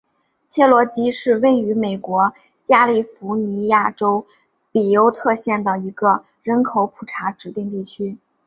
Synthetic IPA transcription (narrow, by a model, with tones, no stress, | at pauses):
t͡ɕʰjɛ˥˩lwɔ˧˥t͡ɕi˥ʂɻ̩˥˧we˥˩ɪy˧˥me˨˩ɪkwɔ˧˥ | t͡ɕja˥li˥˩fu˧˥ni˧˥ja˥˩ʈ͡ʂo˥ʊ | pi˨˩jo˧˥ʊt̪ʰɤ˥˧ɕjɛ˥˩nd̪ə˩i˧˥ɡə˧ | ɻə˧˥nkʰo˧˥ʊpʰu˨˩ʈ͡ʂʰa˧˥ʈ͡ʂɻ̩˨˧˥t̪i˥˧ŋt̪i˥˩t͡ɕʰy˥